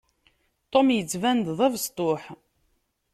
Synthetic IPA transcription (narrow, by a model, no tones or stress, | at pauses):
t̪ˤːomjət͡sːvænd̪ðˤævəst̪ˤoħ